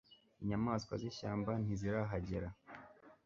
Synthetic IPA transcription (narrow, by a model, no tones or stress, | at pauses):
iɲamaskwa̰ziʃaːmban̥iziɾaɦaɟeɾa